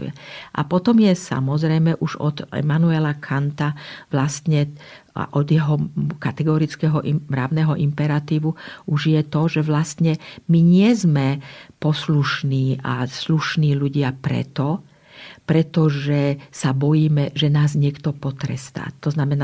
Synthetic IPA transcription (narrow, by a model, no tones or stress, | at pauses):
ṵjɛ̰ʔa̰pɔt̪ɔmjɛsa̰mɔzɾɛjmɛʔuʒɔ̰d̪ɛ̰manuɛlakʰant̪aʋlast̪ɲɛ̰ | ʔɔd̪jɛɦɔkat̪ɛɡɔɾit͡skɛɦɔʔimɾa̰ʊnɛɦɔʔimpɛɾat̪iːʋuʔuʒjɛt̪ɔʒɛʋlast̪ɲɛmiɲɪɛzmɛpɔsluʃniːʔa̰sluʃniːluɟɪapɾɛ̰t̪ɔ | pɾɛt̪ɔʒɛsabɔjiːmɛʒɛnaːzɲɪɛkt̪ɔpɔt̪ɾɛ̰st̪a̰ːt̪ɔznamɛnaː